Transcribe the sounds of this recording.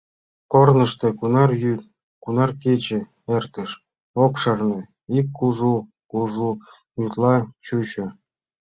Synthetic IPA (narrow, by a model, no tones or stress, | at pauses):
kornɤ̆ʃt̪ĕkunɑrjyt̪ | kunɑrket͡ɕĕ | ert̪ə̆ʃ | okʃɑrnɤ̆ | ikːuʒu | kuʐu | jut̪lˠɑt͡ɕuɕĕ